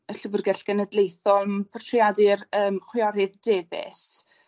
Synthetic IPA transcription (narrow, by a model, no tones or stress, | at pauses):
əɬʊvʊrɡɛɬɡ̥ənədlejθɔlˠpʰətʰrjadɪrəːmχwɪɔɾɪðdevɪ̰s